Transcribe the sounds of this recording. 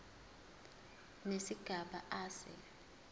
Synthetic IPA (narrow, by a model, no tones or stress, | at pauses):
nesiɡ̥ʱaɓa̰aːsɛ̰